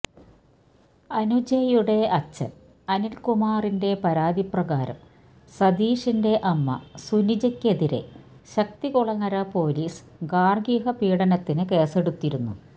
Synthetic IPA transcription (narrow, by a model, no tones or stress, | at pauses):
ɐnud͡ʑɐjuɽe̞ɐt͡ɕːɐ̰ | ɐnilkumaːrinde̞pɐɾaːd̪iprɐɣaːɾɐ̰m | sɐd̪iːʂinde̞ʔɐmːɐ̰sunid͡ʑɐkʲːe̞ðiɾe̞̰ɕɐk̚t̪ikuɭɐŋːɐɾɐpo̞ːliːs | ɡaːrɡiːɦɐpiːɽɐnɐt̪ːinɨke̞ːseɽut̪ːiɾunːṵ